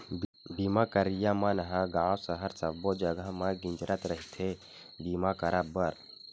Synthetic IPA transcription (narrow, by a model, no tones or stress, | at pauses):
bimakəɾijamãnɦãɡaːwsəɦəɾsəbod͡ʒəɡəɦmãɡɪ̃nd͡ʒɾʔət̪ɾəɦit̪ʰe | bimakəɾabəɾ